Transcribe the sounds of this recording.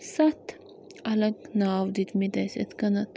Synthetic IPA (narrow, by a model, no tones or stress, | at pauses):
sɐt̪ | ɐlɐɡnaːwd̪it̪mid̪ɐjset̪kɐnɐt̪